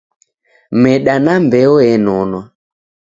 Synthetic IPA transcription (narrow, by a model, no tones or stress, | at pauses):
mɛɗanambɛɔɛnɔnwa